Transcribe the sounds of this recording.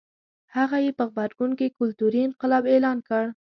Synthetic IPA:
haɣajepəɣbaɾɡunkekʊlt̪uɾiɪnqɪlɑbelɑnkəɽ

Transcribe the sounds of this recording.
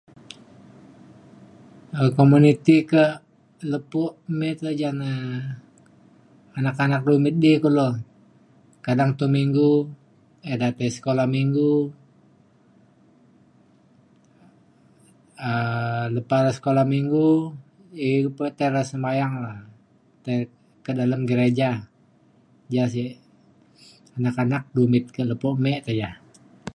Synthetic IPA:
əkomunit̪ikə | ləpuʔmɪt̪̚lad͡ʒana | anakanak̚lumɪt̪̚dikulo | kadaŋt̪umiŋɡu | edat̪ajsə̥kolahmiŋɡu | ələpalasə̥kolahmiŋɡu | ipət̪aɾasəmajaŋlah | t̪a | kədaləmɡəɾed͡ʒa | d͡ʒas̬i | anakanak̚dumɪt̪̚kələpoʔmɛʔt̪ajah

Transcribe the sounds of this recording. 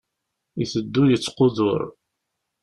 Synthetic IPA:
iθəd̪ːujət͡sːqoðʊ̰ɾ

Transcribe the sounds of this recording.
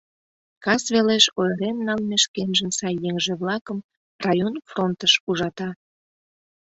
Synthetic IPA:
kɑsβeleʃojəɾemnɑlmeʃkenʒənsɑjːeŋʒeβlɑkəm | rɑjonfront̪əʃuʒɑt̪ɑ

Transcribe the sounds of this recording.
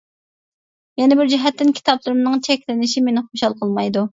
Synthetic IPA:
jɛnɪbɪɾd͡ʒɛɦɛt̪ːɪnkʲʰi̥t̪ʰɑplˠɨɾɨmnɨŋt͡ʃʰɛkʲlɪnɪʃimenɪχoʃɑlˠqʰəlˠmɑjd̪u

